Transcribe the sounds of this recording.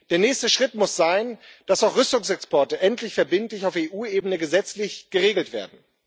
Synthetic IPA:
d̥eːɐnɛːçstəʃʁ̥ɪtmʊsz̥aɪnd̥asaʊxʁʏstʊŋsɛkspɔɐtəʔɛntlɪçfɛɐbɪntlɪçaʊfeːʔuːeːbənəɡəzɛt͡slɪçɡ̥əʁeːɡl̩tv̥ḛːɐdn̩

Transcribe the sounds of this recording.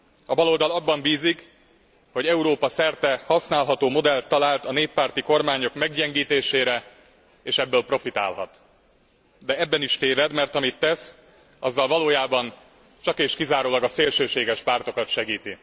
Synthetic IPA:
ɒbɒlo̞ld̪ɒlɒbːɒmbiːzik | ho̞ɟɛuɾoːpɒsɛrt̪ɛhɒsnaːlɦɒt̪oːmo̞d̪ɛlt̪ːɒlaːlt̪ɒneːpːaːrt̪iko̞rmaːɲo̞kmɛɡɟɛŋɡiːt̪eːʃeːɾɛ | eːʃɛbːøːlpro̞fit̪a̰ːlɦɒ̰t̪ | d̪ɛɛbːɛniʃt̪eːvɛd̪mɛrt̪ɒmit̪ːɛs | ɒzːɒlvɒloːjaːbɒn | t͡ʃɒkeːʃkizaːɾoːlɒɡɒseːlʃøːʃeːɡɛʃpaːrt̪o̞kɒt̪ʃɛɡiːt̪i

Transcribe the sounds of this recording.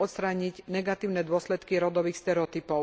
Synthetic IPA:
ɔt̪st̪ɾaːɲiɟnɛɡat̪iːʊnɛd̪ʊɔslɛt̪kiɾɔd̪ɔʋiːxst̪ɛɾɛɔt̪ipɔʊ

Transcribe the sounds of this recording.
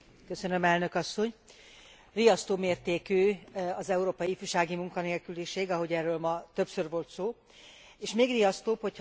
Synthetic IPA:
kø̞sø̞nø̞mɛlnø̞kɒsːo̞ɲ | rijɒst̪oːmeːrt̪eːkyːɒzɛuɾoːpɒjiːfyːʃaːɡimuŋkɒneːlkyliʃeːɡɒɦo̞ɟɛrøːlmɒt̪ø̞psørvo̞lt̪soː | eːʃmeːɡrijɒst̪oːpho̞c

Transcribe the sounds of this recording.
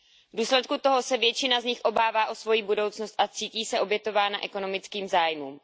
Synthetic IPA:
vduːslɛt̪̚kut̪o̞ɦo̞sɛvjɛt͡ʃɪnazɲɪxʔo̞baːvaːʔo̞svo̞jiːbudowt͡snost̪ʔat͡siːciːsɛʔo̞bjɛt̪o̞vaːnaʔɛko̞no̞mɪt͡skiːmzaːjmuːm

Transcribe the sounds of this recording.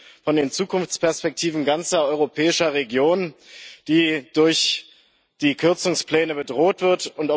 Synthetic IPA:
fɔndeːnt͡suːkʰʊnft͡spɛɐspɛk̚tʰiːvn̩ɡant͡sɐɔʏʁopʰɛːɪʃɐʁeɡjoːnd̥iːd̥ʊɐç | d̥iːkʰʏɐt͡sʊŋspl̥ɛːnəbədʁoːtv̥ɪɐtʊntɔ

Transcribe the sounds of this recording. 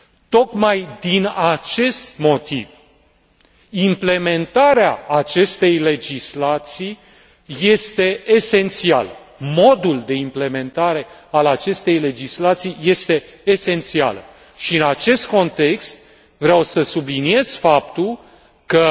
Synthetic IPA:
t̪o̞kmajd̪inat͡ʃe̞st̪mo̞t̪iv | imple̞me̞nt̪aɾeaːt͡ʃe̞st̪e̞jle̞d͡ʒislat̪sij | je̞st̪e̞ːse̞nt̪sia̰lə | mo̞d̪uld̪e̞imple̞me̞nt̪aɾe̞alat͡ʃe̞st̪e̞jle̞d͡ʒislat̪sijje̞st̪e̞ːse̞nt̪sia̰lə̰ | ʃiɨnat͡ʃe̞st̪̚ko̞nt̪e̞kst̪̚ | vɾeawsəsublinie̞z̥fap̚t̪ul | kə

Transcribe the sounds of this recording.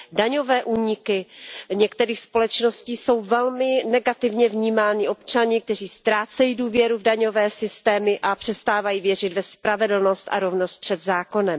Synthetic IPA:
daɲo̞vɛːʔuːɲɪkɪɲɛkt̪ɛɾiːxspo̞lɛt͡ʃno̞sciːso̞wvɛlmɪnɛɡat̪ɪvɲɛvɲiːmaːɲɪʔo̞pt͡ʃaɲɪk̚t̪ɛr̝iːst̪ɾaːt͡sɛjiːduːvjɛɾuvdaɲo̞vɛːsɪst̪ɛːmɪʔapr̥ɛst̪aːvajiːvjɛrɪd̪vɛspɾavɛdl̩no̞st̪ʔa̰ɾo̞vnost̪̚pr̝̥ɛd̪zaːko̞nɛm

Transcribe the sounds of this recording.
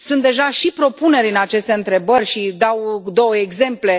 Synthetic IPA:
sunt̪̚d̪e̞ʒaʃipɾo̞pune̞ɾʲɨnat͡ʃe̞st̪e̞ɨnt̪ɾe̞bərʲʃid̪awd̪o̞wəeɡze̞mple̞

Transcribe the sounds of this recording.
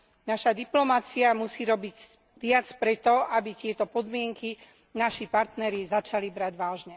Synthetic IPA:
naʃad̪iplɔmat͡siamusiːɾɔbiɟ | ʋɪat͡spɾɛt̪ɔabit̪ɪɛt̪ɔpɔd̪mɪɛŋki | naʃipaɾt̪nɛɾizat͡ʃalibɾaɟʋaːʒɲɛ

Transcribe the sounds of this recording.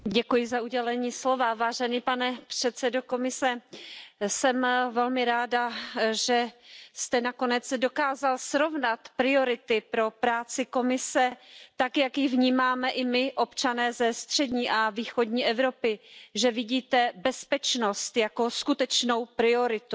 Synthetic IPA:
ɟɛkujɪzauɟɛlɛɲiːslo̞vavaːʒɛniːpanɛpr̥ɛt̪sɛdoko̞mɪsɛ | sɛmvɛlmɪɾaːdaʒɛst̪ɛnako̞nɛt͡sdo̞kaːzalsɾo̞vnat̪pɾɪo̞ɾɪt̪ɪpɾo̞pɾaːt͡sɪko̞mɪsɛt̪akjakjɪvɲiːmaːmɛʔɪmɪʔo̞pt͡ʃanɛːzɛst̪r̝̥ɛdɲiːʔaviːxodɲiːʔɛvɾo̞pɪʒɛvɪɟiːt̪ɛbɛspɛt͡ʃno̞st̪jako̞skut̪ɛt͡ʃno̞wpɾɪo̞ɾɪt̪u

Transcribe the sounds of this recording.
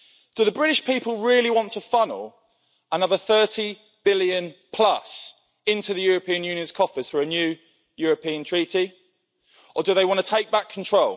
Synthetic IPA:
d̥əðəbɹɪɾɪʃpʰiˑpəlˠɹɪəliwɒ̃ntʰəfʌ̃nə̰lˠ | ənʌvəθɜˑtʰi | b̥ɪljə̃npʰl̥ʌs | ɪ̃ntʰʉðəjɔːɹəpʰĩə̃njʉːnjə̃nz̥kʰɒfəz̥fəɹənjʉː | jɔːɹəpʰĩə̃ntʰɹ̥iˑti | ʔədəðeɪwɒ̃ntʰətʰeɪk̚b̥akʰə̃ntʰɹ̥oʊlˠ

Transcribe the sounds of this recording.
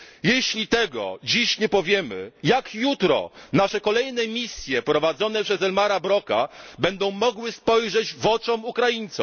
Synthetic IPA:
jeɕlʲit̪ɛɡɔ̰d͡ʑiɕɲɛpɔvʲjɛmɘ̰jakjut̪ɾɔ̰naʂɛkɔlɛjnɛmʲisʲjɛpɾɔvad̪zɔn̪ɛpʂɛzɛlmaɾabɾɔka̰bɛnd̪ɔ̃w̃mɔɡwɘspɔjʐɛd͡ʑvɔt͡ʂɔmukɾajiɲt̪sɔ̃

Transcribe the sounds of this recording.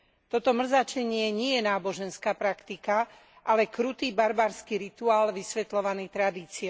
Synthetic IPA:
t̪ɔt̪ɔmr̩zat͡ʃɛɲɪɛɲɪɛjɛnaːbɔʒɛnskaːpɾakt̪ika | ʔalɛkɾut̪iːbaɾbaːɾskiɾit̪uaːlʋisʋɛt̪lɔʋanit̪ɾad̪iːt͡siɛ

